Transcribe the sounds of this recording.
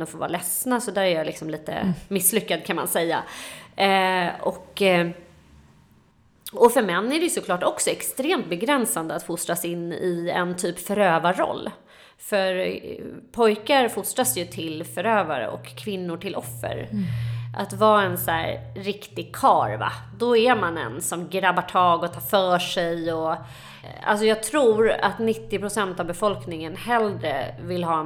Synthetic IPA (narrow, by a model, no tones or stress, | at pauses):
d̪ɔmfoːvɑ̰ːlɛsnasɔd̪æːɾɛɾjalɪksɔmliːt̪ə̰mɪslʏkːad̪kʰanma̰nsɛjːa̰ | ɔkː | ɔfœɾmɛnːæɖɛjɵsɔklɑːʈɔksɔɛkst̪ɾeːmt̪̚bɛɡɾɛnsand̪əat̪fʊst̪ɾasɪnːɪɛ̰nt̪ʰyːpfœɾøːvaɾɔ̰lː | fœɾ | pʰɔjkaɾfʊst̪ɾasjɵt̪ʰɪlfœɾøːva̰ɾə̰ʔɔ̰kʰːvɪnːʊʈʰɪlʔɔfːə̰ɾ | ʔa̰t̪vɑːɛnsæːɾɾɪkt̪ɪɡ̚kʰɑːɾva̰d̪ɔɛɾmanɛ̰nsɔmɡɾabːaʈʰɑːɡɔt̪ʰɑːɾfœːʂɛjɔ | a̰ls̬ɔjɑːɡ̚t̪ʰɾuːɾa̰t̪nɪt̪ːɪpɾʊsɛnt̪avbɛfɔlknɪŋənhɛld̪ɾə̰vɪlɦɑː